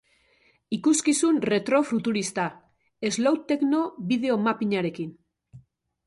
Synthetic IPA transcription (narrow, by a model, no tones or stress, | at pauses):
ikuskisunre̞t̪ɾo̞fɾut̪uɾist̪a | e̞zlawt̪ːe̞kno̞βið̞e̞o̞mapiɲaɾe̞kin